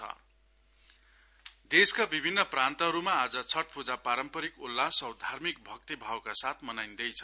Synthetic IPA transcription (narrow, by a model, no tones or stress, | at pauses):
ʌ̰ | d̪eskabibʱinːʌprãnt̪ʌɦʌɾumaːd͡zʌt͡sʰʌʈ̚pud͡zapaɾʌmpʌɾikulːasʌwd̪ʱarmik̚bʱʌk̚t̪ibʱawkasat̪ʰmʌnajnd̪ʌjt͡sʰʌ